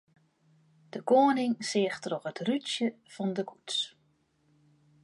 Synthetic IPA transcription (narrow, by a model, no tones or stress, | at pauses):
d̥əkoːənɪŋsɪəxtərɔxətrysjəfɔndəkʰu̥ts